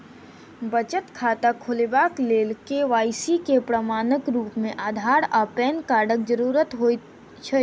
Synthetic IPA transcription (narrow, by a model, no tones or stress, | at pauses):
bət͡ʃət̪kʰaːt̪akʰʊlebaːkleːlkeʋaːisikepɾəmaːnəkɾuːpmẽʔaːd̪ʱaːɾapɛːnkaːɖək̚d͡ʒəɾuːɾət̪ɦo | t͡ʃʰ